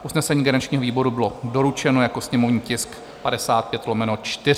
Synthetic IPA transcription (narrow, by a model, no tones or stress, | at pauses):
ʔusnɛsɛɲiːɡanat͡ʃɲiːɦoviːbo̞ɾubɪlodo̞ɾut͡ʃɛno̞jako̞sɲɛmovɲiːcɪsk | padɛsaːt̪̚pjɛt̪lomɛnot͡ʃt̪ɪ